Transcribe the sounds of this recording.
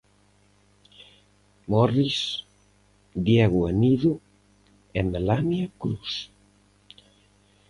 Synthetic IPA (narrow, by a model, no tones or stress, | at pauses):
mɔris | d̪jeɣuaniðu | ɛmelanjakɾus